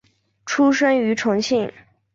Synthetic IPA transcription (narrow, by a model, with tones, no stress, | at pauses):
ʈ͡ʂʰu˥ʂə˥ŋy˧˥ʈ͡ʂʰʊ˧˥ŋɕi˥˩ŋ